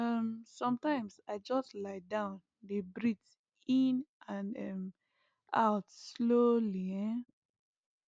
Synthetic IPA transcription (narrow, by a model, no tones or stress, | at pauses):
ʌmsɔ̃mtãɪ̃msaɪd͡ʒɔstlaɪdãʊ̃n | debɹits | ĩnʔãnɛm | ʔa̰ʊtsloliɛ̃n